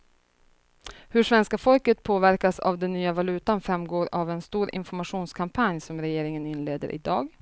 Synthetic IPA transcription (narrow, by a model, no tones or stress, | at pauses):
hɵʂvɛnskafɔlkət̪̚pʰoːvæɾkasa̰vd̪ɛnːyːavalʉ̟ːt̪anfɾamːɡoːɾavɛnst̪uːɾʔɪ̰nfɔɾmaʂuːnskʰampʰanjsɔmɾɛjeːɾɪŋənɪnleːd̪ə̰ɾʔɪ̰d̪ɑːɡ